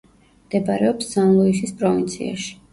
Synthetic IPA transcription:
md̪̥ɛbaɾɛɔpsːanlˠɔisispʼɾɔvint̪sʰḭa̰ʃi̥

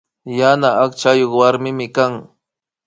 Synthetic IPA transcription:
janaːkt͡ʃajoχwaɾmɪmɪkaŋ

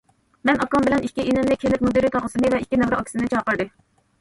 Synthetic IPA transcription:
mɛnɑkɑmbɪlɛnikʲːiinɪmnɪkʲʰenɪk̪̚ʲmud̪iɾit̪ʰɑʁəsɨnɨvɛikʲːinɛvɾɨɑkʲʰisɪnɨt͡ʃʰɑːqəɾd̪ɨ

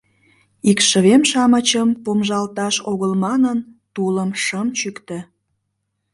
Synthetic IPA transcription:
ikʃə̆βemʃɑmət͡ɕəmpomʒɑlt̪ɑʃoɣəlmɑnənt̪uləmʃəmt͡ɕykt̪ə̆

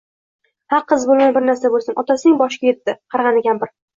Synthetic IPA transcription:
haɾqʰɨzbolˠmanbɪɾnaɾsabolˠsɪnʔɒt̪ʰasɪnɪŋbɒʃkʲajet̪ːɪqʰɑɾʁɑnɪɡʲanbɪɾ

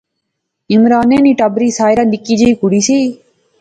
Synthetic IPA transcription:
ɪmɾaːneːniːʈəbɾiːsaːjɾãːnɪkiːd͡ʒeiːkʊɽiːsiː

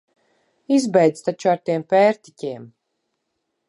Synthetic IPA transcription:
izbɛjd̪zt̪at͡ʃuaɾt̪iɛmpʲɛːɾt̪i̥cʲiɛm

